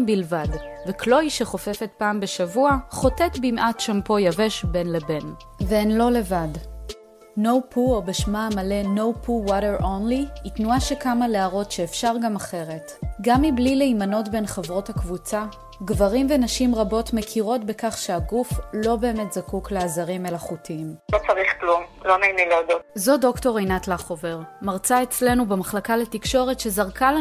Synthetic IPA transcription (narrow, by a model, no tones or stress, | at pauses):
bilvadveklo̞iʃeχo̞fe̞fe̞t̚paːmbeʃavuaχo̞tetbimʔatʃampo̞jave̞ʃbe̞nlebe̞n | veenlo̞le̞vad | no̞wpʰuobeʃmamale̞no̞wpʰuwaɾeʁʔonliitnuaʃekamaleaʁo̞tʃeːfʃaʁɡamaχe̞ʁe̞tɡamːiblileimano̞tbe̞nχevʁo̞thakvut͡sa | ɡvaʁimve̞naʃimʁabo̞tmekʰiʁo̞tbe̞kaχʃeaɡuflo̞be̞ːme̞tz̥akukleazaʁime̞laχutʰiimlo̞t͡saʁiχklumlomejnileadotzo̞do̞kto̞ʁejnatlaχo̞veʁmaʁt͡saet͡sle̞nubemaχlakaletikʃo̞ʁetʃe̞zaʁkal